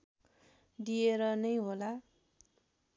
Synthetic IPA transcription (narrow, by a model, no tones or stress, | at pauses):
d̪ieɾʌnʌjɦola